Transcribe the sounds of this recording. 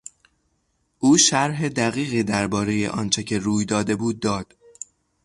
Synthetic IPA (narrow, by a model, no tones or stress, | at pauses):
ʔuːʃæɾɦed̪æɣiːɣiːd̪æɾbɒːɾe̞jḛʔɒ̰ːnt͡ʃʰe̞cʰe̞ɾuːjd̪ɒːd̪e̞buːd̪̚ːɒːd̪̥